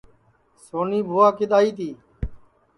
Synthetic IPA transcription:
soːniːbʱoːaːkɪɗ̪aːiːt̪iː

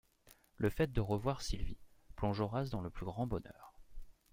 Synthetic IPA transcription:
lʔəfɛt̪̚d̪əʁəvwaʁsilviplɔ̃ʒɔʁasd̪ɑ̃ləplyɡʁɑ̃bɔnœ̰ːʁ

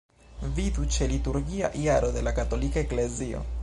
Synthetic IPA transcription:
vidut͡ʃe̞lituɾɡia̰ʔijaɾo̞de̞lakato̞likaekle̞zio̞̰

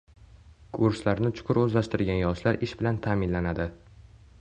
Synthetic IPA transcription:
kʰʊɾslaɾnɪt͡ʃʰʊ̥qʰʊɾɵzlaʃt̪ɪɾɡʲanjɒʃlaɾɪʃbɪlant̪ʰaːmɪnlanad̪ɪ

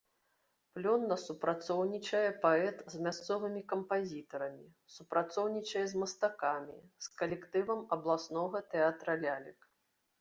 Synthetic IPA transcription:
plʲɔnːɐsupɾʔat̪sɔwnʲit͡ʂɐjɛpaɛt̪zʲmʲast̪sɔvɨmʲikɐmpazʲit̪ɐɾɐmʲi | supɾat̪sɔwnʲit͡ʂɐjɛzmɐst̪akamʲḭskɐlʲɛkt̪ɨvɐmɐblˠasnɔɣɐt̪ɛat̪ɾɐlʲalʲik

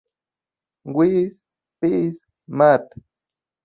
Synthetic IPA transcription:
ŋɡwis | pis | mat̪

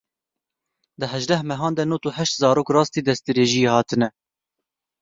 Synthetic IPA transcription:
d̪əɦɛʒd̪ɛhmɛɦɑːnd̪ɛnut̪uɦɛʃt̪zɑːɾoːkrɑːst̪iːd̪ɛst̪ɨɾeːʒijehɑːt̪ʰɨnɛ

